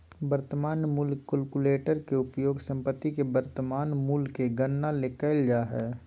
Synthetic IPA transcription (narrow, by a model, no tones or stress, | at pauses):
bəɾt̪əmaːnmuːlkəlkuleːʈəɾkeʊpjoːɡsə̃mpət̪ːikebəɾt̪əmaːnmuːlkeɡənːalekəɪld͡ʒaɦɛː